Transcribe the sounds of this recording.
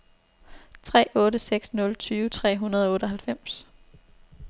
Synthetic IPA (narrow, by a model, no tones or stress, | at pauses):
t͡sʰʁɛ̰ːʔɔ̽ːɾəseɡ̥snɔ̽lt͡sʰyːʋət͡sʰʁɛ̰ːɦunɐðˠɒɔ̽ːɾəɒ̽ɦælfem̰s